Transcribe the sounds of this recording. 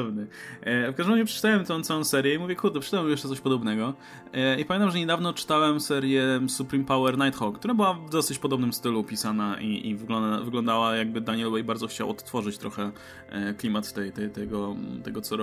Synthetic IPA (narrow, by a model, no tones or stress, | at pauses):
ɛvnɛfkaʒd̪ɛmɾad͡ʑɛpʂɛ̥t͡ʂt̪awɛmt̪ɛ̃w̃t̪sawɔ̃sɛɾʲjɛimuvʲjɛkuɾd̪ɛpʂɛ̥t͡ʂt̪awɛmjɛʂt͡ʂɛt̪ɔɕʲpɔd̪ɔbnɛɡɔ | ipamʲẽnt̪amʐɛɲɛd̪avnɔt͡ʂɘ̥t̪awɛmsɛɾʲjɛsupɾimpawɛɾnajt̪xɔkt̪uɾabɘwavd̪ɔsɘt͡ɕpɔd̪ɔbnɘmst̪ɘlupʲisanaʔiʔḭvɡlɔvɘɡlɔnd̪awajaɡ̚bɘd̪aɲɛlwɛjbaɾd̪zɔxt͡ɕa̰wɔ̰t̪ːfɔʐɨt͡ɕt̪ɾʔɔ̰xɛ | klʲimat̪t̪ːɛjt̪ɛjt̪ɛɡɔt̪ɛɡɔt̪sɔɾ